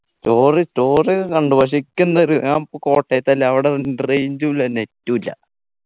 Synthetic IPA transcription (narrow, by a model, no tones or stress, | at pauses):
sto̞ːristoːrikɐɳɖuʋɐʂ̬ikʲːunːɐɾiaːmpoko̞ːʈːeːt̪ːɐlːeɐʋiɽenrejɲd͡ʑulːɐne̞tːuilːɐ̰